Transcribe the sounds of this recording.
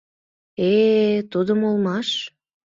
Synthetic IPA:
et̪ud̪əmolmɑʃ

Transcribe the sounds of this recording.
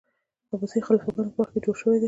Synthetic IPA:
abusəjxalɑfaɡɑnopəwaxt̪ked͡ʒoɽʃəwed̪i

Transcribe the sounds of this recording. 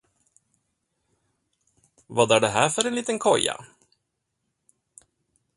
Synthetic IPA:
vɑːd̪æɖɛɦæːɾfœɾɛnliːt̪ənkʰɔjːa̰

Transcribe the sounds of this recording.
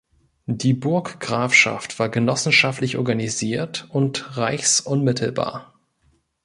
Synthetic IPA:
d̥iːbʊɐkɡ̥ʁaːfʃa̰ftv̥aːɐɡənɔsn̩ʃaftlɪçʔɔɐɡaniziːɐtʊntʁaɪçsʔʊnmɪtʰl̩ba̰ːɐ

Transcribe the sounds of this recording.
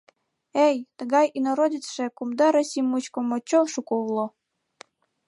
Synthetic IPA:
ejt̪əɣɑjinoɾodʲit͡sʃĕkumd̪ɑɾosʲimut͡ɕkomot͡ɕoʃukoβlˠo

